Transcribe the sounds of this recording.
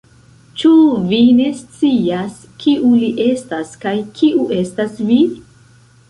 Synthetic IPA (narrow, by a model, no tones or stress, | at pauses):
t͡ʃuvine̞st͡sias | kiuliʔe̞staskajkʰiʔuʔe̞stasvi